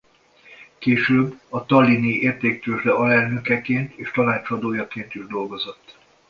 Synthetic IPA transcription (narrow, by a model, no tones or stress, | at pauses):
keːʃøːbːɒt̪ɒlːiniʔeːrt̪eːk̚t̪øːʒd̪ɛɒlɛlnø̞kɛkeːnt̪eːʃt̪ɒnaːt͡ʃɒd̪oːjɒkeːnt̪iʒd̪o̞lɡozo̞t̪ː